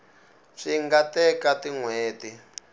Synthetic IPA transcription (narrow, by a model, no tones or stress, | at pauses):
ʂiŋɡatɛkatiŋweːti